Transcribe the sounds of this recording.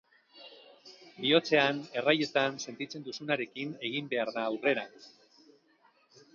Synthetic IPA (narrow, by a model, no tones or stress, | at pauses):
bio̞t͡se̞ane̞raje̞t̪anse̞nt̪it͡se̞nd̪usunaɾe̞kine̞ɣimbe̞aɾðaːwre̞ɾa